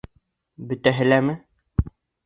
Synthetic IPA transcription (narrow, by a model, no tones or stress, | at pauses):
bɵ̆t̪æɦɘ̆læmɘ